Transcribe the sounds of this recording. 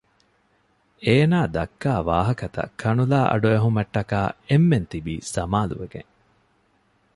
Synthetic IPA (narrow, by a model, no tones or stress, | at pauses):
eːnaːd̪ɐkːaːʋa̰ːɦɐkɐt̪ɐ̰kʰɐnulaːʔɐ̰ɖueɦumɐʈːɐkaːemːent̪ibiːsɐmaːlṵʋeɡḛŋ